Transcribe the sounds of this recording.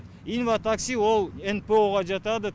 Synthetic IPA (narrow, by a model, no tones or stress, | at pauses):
invat̪aksʲiwo̞lˠenpeoʁɑʒɑt̪ɑd̪ə